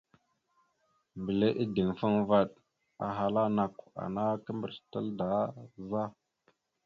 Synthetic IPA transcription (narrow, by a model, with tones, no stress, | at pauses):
mbi˨le˦ʔi˦di˨ŋfə˦ŋva˦ɗ | a̰˨ɦa˨la˦na˨ka̰˨na˦kə˦mbə˨ɾtə˦lda˨˦za˦